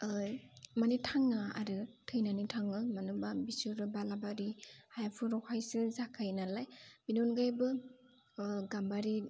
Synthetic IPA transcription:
manitʰaŋaaɾɯtʰɯjnanitʰaŋɯmanubabisuɾɯbalabaɾihajapʰuɾɔkʰajsɯzakʰajnalajbinɔnɡajbɯ | ɡambaɾi

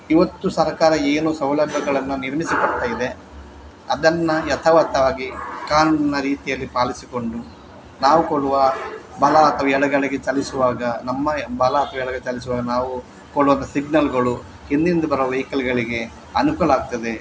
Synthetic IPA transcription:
iʋɐt̪ːusɐɾkaːɾɐeːnusɐwlɐbʱːɐɡɐɭɐnːuniɾmisikɐɽt̪aːjid̪e̞ | ɐd̪ɐnːɐjɐt̪ʰɐʋɐt̪ʰːɐʋaːɡikaːɾunɐnɐɾiːt̪ijɐlːipaːlisiko̞ɳɖu | naːʋukoɭuʋɐbɐlɐːt̪ʰɐʋɐɛɭɐɡɐɭɛɡe̞t͡ʃɐlisuʋaːɡɐnɐmːɐbɐlɐːt̪ʰɐʋɐɛɭɐɡet͡ʃɐlis̬uʋaːɡɐnaːʋu | koɭuʋɐnt̪ɐsiɡnɐlɡɐɭu | hind̪ind̪ɐbɐɾɐʋɐʋɐjkɐlɡɐɭiɡe̞ | ɐnukulaːɡ̚t̪ɐd̪e̞

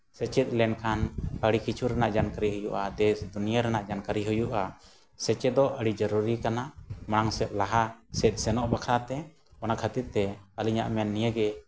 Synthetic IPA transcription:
sɛt͡ʃɛt̪̚lɛnkʰanəɽikit͡ʃʰuɾɛnaʔd͡ʒankəɾiɦujuʔad̪ɛsd̪unijaɾɛnaʔd͡ʒankəɾiɦujuʔa | sɛt͡ʃɛd̪ɔʔəɽid͡ʒəɾuɾikanamaɽ̃aŋsɛt̪̚laɦasɛt̪̚sɛnɔʔbakʰɾat̪ɛ | ɔnaʔkʰət̪iɾt̪ɛəliɲa̰ʔmɛnːijəɡɛ

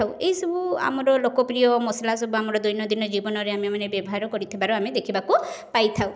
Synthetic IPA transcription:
aweɦjsɔbua̰mɔɾɔlokɔpɾijɔmɔslasɔbuamɔɾɔd̪ujnɔd̪inɔd͡ʒibɔnɔɾeamemanebjɔbɔɦaɾɔkɔɾit̪ʰibaɾɔamed̪ekʰibakupajt̪ʰaw

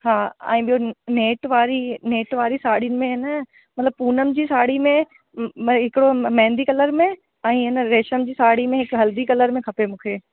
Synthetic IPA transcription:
ɦaːɛ̰̃ːɓijoneːʈʋaːɾineːʈʋaːɾisaːɽinɪ̆mẽɦɪnə | mɐt̪ləb̚puːnəmd͡ʑiːsaːɽimẽ | ɦɪkɪɽomɛ̃ːnd̪ikɐləɾmẽ | ɛ̃iːɦɪnəɾeːʃəmd͡ʑiːsaːɽimẽɦɪkɦɐld̪ikɐləɾmẽkʰɐpemũːkʰeː

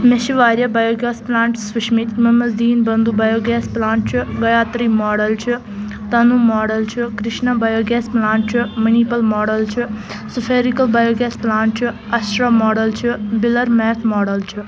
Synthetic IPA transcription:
meʃiʋaːɾjɐbɐːjoːɡɛːsplãːɳʈsʋɐʃmit̪mɐmɐzd̪iːnbɐnd̪ubɐːjoːɡɛːsplaːɳʈ̚t͡ʃʰiɡɐjaːt̪ɾiːmoːɽɐlt͡ʃʰi | t̪ɐnumɔːɽɐlt͡ʃʰikɾɪʃnabɐjoːɡɛːsplaːɳʈ̚t͡ʃʰimɐniːpɐlmɔːɽɐlt͡ʃʰi | supʰeːɾikɐlbaːjoːɡɛːsplaːɳʈ̚t͡ʃʰi | ɐsɾamoːɖɐlt͡ʃʰibɪlɐɾmɛːt̪ʰmɔːɽəlt͡ʃʰi

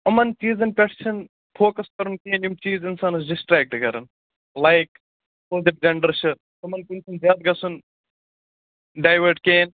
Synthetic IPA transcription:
ɐmɐnt͡ʃiːzɐnpʲɛʈt͡ʃʰɐn | fʰoːkɐskɐɾunkeːnjumt͡ʃiːzinsaːnɐsɖɪsʈɾɛːk̚ʈkɐɾɐn | lajk | oːzɐp̚d͡ʒɐɳɖɐɾt͡ʃʰɨ | t̪ɐmɐnkunt͡ʃʰunzaːt̪̚ɡɐsun | ɖaːjʋɐʈkeːn

